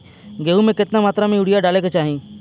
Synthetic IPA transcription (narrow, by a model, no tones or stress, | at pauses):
ɡeːumẽkɪt̪namaːt̪ɾamẽʊɽijaɖaːleket͡ʃaːɦĩː